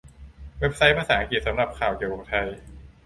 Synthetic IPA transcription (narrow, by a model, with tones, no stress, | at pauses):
we˦˥p̚sa˦˥jpʰaː˧saː˩˦ʔa˧ŋki˨˩t̪̚sa˩˦mɾa˨˩p̚kʰaː˨˩wki˨˩əwko˧˩t̪ʰa˧j